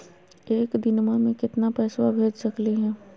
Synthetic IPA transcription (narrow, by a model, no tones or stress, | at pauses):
eːkd̪ɪnmamẽkɪt̪napɛːswabʱeːd͡ʒsɐkliɦɛ̃ː